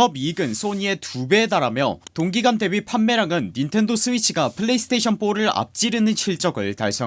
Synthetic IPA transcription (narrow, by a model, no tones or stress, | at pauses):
ʌbiɡɯnsʰoɲie̞tube̞taɾamjʌtoŋɡiɡande̞bipʰanːe̞ɾaŋɯnːintʰe̞ndos͈ʰɯwit͡ɕʰiɡapʰɯɭːeis͈ʰɯ̥tʰeɕʰʌnp͈oɾɯɭa̰p̚t͡ɕ͈iɾɯnɯnt͡ɕʰiɭt͡ɕ͈ʌɡɯɭtaɭs͈ʌ